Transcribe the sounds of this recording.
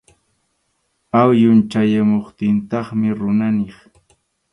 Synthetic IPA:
awjʊnt͡ʃajamoχt̪ɪnt̪ɑχmɪɾʊnanɪχ

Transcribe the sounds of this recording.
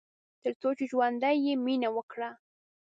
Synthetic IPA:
t̪ɪɾt̪ot͡ʃʊt͡ʃwand̪ajɪmɪnawakɾaː

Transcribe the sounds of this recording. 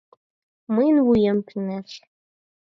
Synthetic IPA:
mɨnwujɛmpʰinɐɬ

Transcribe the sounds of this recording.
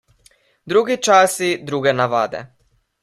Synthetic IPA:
d̪ɾuɡit͡ʃasid̪ɾuɡɛnaʋa̰ːd̪ɛ̰

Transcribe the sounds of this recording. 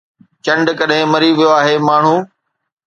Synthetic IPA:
t͡ɕɐ̃ɳɖkɐɗɦɪ̃mɐɾiʋijoaːɦeːmaːɳ̤ũː

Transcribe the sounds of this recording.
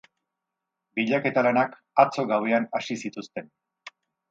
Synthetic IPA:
biʎake̞t̪alanak | at͡so̞ɣawe̞anasisit̪ust̪e̞n

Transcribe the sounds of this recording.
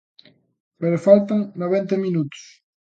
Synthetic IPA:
peɾofalt̪aŋnoβent̪ɐminut̪ʊ̥s

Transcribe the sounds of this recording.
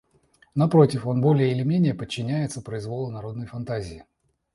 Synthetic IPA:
nɐpɾo̞tʲɪfo̞nbo̞lʲɪjəɪlʲɪmʲenʲɪjəpət͡ɕːɪnʲæjɪt̪səpɾəɪzvo̞lˠənɐɾo̞d̪nəjfɐnt̪azʲɪɪ

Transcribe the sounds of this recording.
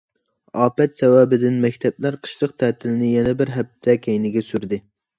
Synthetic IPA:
ɑːpɛt̪sɛwæbɪd̪ɪnmɛkʲt̪ʰɛblæɾqʰə̥ʃlˠəqt̪ʰɛːt̪ʰɪlnɪjɛnɛbɪɾɦæp̚t̪ʰɛkʲʰɛjnɪɡʲɛsyɾd̪ɪ

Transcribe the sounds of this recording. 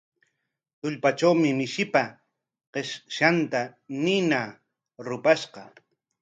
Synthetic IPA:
t̪ʊʎpat͡ʃawmɪmɪʃɪpa | qeʃʃant̪anɪna | ɾʊpaʃqɑ

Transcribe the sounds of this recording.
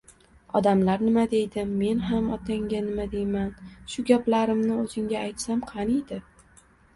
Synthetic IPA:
ɒd̪amlaɾnɪmad̪e̞jd̪ɪːe̞nɦamɒt̪ʰaŋɡʲanɪmad̪e̞jmanʃʊɡʲaplaɾɪmnɪɵzɪŋʲaːjt̪samqʰɑnijd̪ɪ

